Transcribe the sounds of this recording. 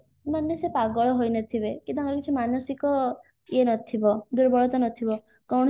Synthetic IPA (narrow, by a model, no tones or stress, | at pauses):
manjesepaɡɔɭɔɦojnɔt̪ʰibekit̪ɔ̃ŋkɔɾɔkit͡ʃʰimanɔsikɔ | enɔt̪ʰibɔd̪uɾbɔɭɔt̪ɔnɔt̪ʰibɔ | kɔwɽ̃